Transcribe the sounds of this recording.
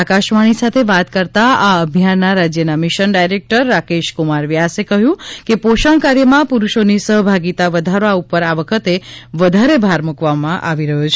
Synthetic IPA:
akaʃʋaɽ̃isat̪ʰeʋat̪kəɾt̪aaəbʱjanːaɾad͡ʒjənamɪʃənɖajɾek̚ʈəɾːakeʃkumaɾʋiasekəɦjũkepoʃəɳ̃kaɾjəmãpuɾuʃonisəɦbʱaɡit̪aʋəd̪ʱaɾʋaupəɾaʋəkʰət̪eʋəd̪ʱaɾebʱaɾmukʋamãʔaʋiɾəɦot͡ʃʰ

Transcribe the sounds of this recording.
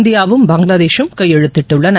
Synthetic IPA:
nd̪ɪjaːʋɯmbɐŋɡɭɐðeːʃɯmkɐjɛɻɯt̪ːɪʈːɯɭːɐnɐ

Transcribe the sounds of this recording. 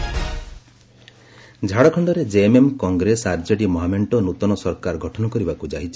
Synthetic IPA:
d͡ʒʱaɽɔkʰɔɳɖɔɾed͡ʒeːmemkɔŋɡɾesaɾd͡ʒɔɽimɔɦameɳʈɔnut̪ɔnɔsɔɾkaɾɡʱɔʈʰɔnɔkɔɾibakud͡ʒaɦit͡ʃʰi̥

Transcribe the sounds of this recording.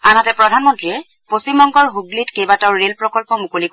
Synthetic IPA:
anatɛpɹɔdʱanmɔntɹiɛ | posimɔŋkɔɹɦuɡlitkejbataʊɹelpɹɔkɔlpɔmukolik

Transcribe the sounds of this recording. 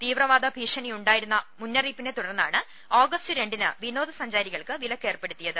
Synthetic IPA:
t̪iːʋrɐʋaːd̪ɐbʱiːʂɐnijuɳɖaːjiɾunːɐmunːɐriːpːine̞t̪uɽɐrnːa̰ːɳɨ | oːɡɐstɨɾe̞ɳɖinɨ̰ʋino̞ːðɨsɐɲd͡ʑaːɾiɣɐɭkɨʋilɐkːe̞ːrpe̞ɽut̪ːijɐðɨ

